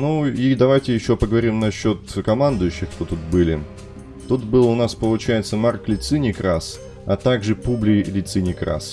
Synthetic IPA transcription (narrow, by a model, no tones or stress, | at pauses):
nuid̪ɐvajtʲɪjɪɕːo̞pəɡəvɐɾʲimnɐɕːo̞t̪kɐmand̪ʊjʏɕːɪxt̪ot̪ut̪̚bɨlʲɪ | t̪ut̪bɨlˠʊnaspəlˠʊt͡ɕæjɪt̪səmarklʲɪt̪sɨnʲɪkɾas | ɐt̪aɡʐɨpublʲɪlʲɪt̪sɨnʲɪkɾa̰s